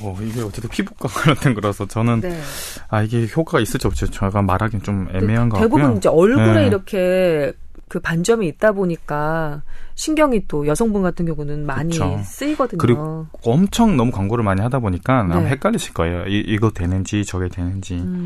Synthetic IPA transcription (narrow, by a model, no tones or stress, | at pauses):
ʌiɡe̞ʌt̚t͡ɕ͈etʰepʰibuk͈aɡɾʌntʰenkɯɾʌsʰʌt͡ɕʌnɯn | aiɡe̞çjok͈ʰaɡais͈ɯɭt͡ɕ͈ʰiʌp̚t͡ɕ͈ʰot͡ɕʌɡamaɾɦaɡent͡ɕome̞meɦanɡʌe̞bujunind͡ʑeʌɭɡɾeiɾʌkʰe̞ | kɯpand͡ʑʌmiːt̚t͈aboɲik͈a | ɕʰinɡjʌŋit͈ojʌsʰʌŋbunɡatʰɯnŋɡjʌŋunɯnmaɯɲit͡ɕos͈ɯiɡʌdɯɲkɯɾiɡoo | ʌmt͡ɕʰʌŋnʌmukwaŋɡoɾɯɭmaɲiɦadaboɲik͈anamɦe̞kk͈aɭːiɕʰi̥ɭk͈ʌejoiʔiɡʌdwe̞nɯnd͡ʑit͡ɕʌɡedwe̞nɯnd͡ʑi